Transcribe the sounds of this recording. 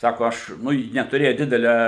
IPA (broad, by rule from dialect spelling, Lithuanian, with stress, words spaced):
ˈsɑːkoː ˈɐʃ ˈnʊ ˈjɪ nʲɛtʊˈrʲeːjɛ ˈdʲɪdʲɛlʲɛ